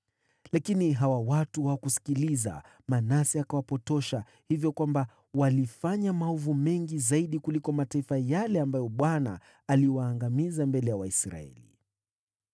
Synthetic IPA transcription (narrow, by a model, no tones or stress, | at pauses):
lakiniɦawawatuwakusi̥kiliza̰ | manasiakawapɔtɔʃa | hivjɔkwamba | walifaɲamaɔvumɛŋɡizaiɗikulikɔmataifajalɛambajɔɓwana̰ː | liwaːŋɡamizambɛlɛjawaisɾa̰ɛ̰lḭ